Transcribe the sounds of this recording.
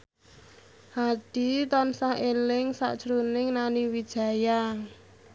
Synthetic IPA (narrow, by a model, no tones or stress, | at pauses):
had̪̥it̪ɔnsahelɪŋsa̰ʔd̥ʒ̥ɾunɪŋnaniwid̥ʒ̥a̤jaŋ